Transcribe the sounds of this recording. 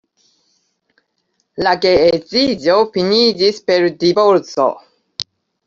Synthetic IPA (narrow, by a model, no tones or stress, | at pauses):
laɡeet͡sizofinid͡ʒispe̞ɾdiboɾt͡so̰